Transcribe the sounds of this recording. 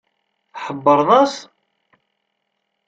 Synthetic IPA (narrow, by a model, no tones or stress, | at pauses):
θħəbːəɾˤnæs